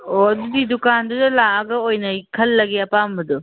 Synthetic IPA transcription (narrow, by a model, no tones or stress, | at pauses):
oɐdudidukandudɐlaɐɡɐojnɐkʰɐlːɐɡeɐpambɐdu